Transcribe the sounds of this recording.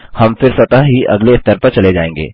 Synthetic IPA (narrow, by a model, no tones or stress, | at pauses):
hɐmfɪɾsɐt̪aɦiʔɐ̰ɡleɪst̪əɾpɐɾt͡ʃɐled͡ʒaːẽːŋɡḛː